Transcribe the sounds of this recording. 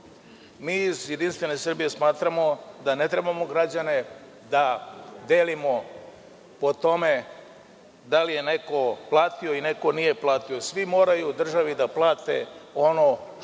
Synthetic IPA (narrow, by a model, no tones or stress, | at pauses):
miːizjed̪inst̪ʋe̞ne̞sr̩bije̞smaːt̪ɾamo̞d̪ane̞t̪ɾe̞bamo̞ɡɾad͡ʑane̞ | d̪ad̪eːlimo̞ | po̞t̪o̞me | d̪alije̞ne̞ko̞plˠaːt̪ioine̞ko̞nije̞plˠaːt̪io̞sʋimo̞ːɾajud̪r̩ʒaʋid̪aplˠaːt̪e̞̰ono̞